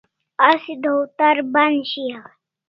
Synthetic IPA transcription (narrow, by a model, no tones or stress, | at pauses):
asd̪ʱowt̪aɾbanɕija